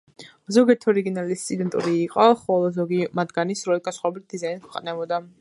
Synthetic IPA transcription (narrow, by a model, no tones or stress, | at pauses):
zɔɡiɛɾt̪ʰɔɾiɡinalist̪sʼid̪ɛnt̪ʼṵɾiːqʼɔχɔlˠɔzɔɡimad̪ɡanisɾɔɛɡasχaɛbit̪̚d̪̥izainkʰwɛqʼnɛbɔd̪a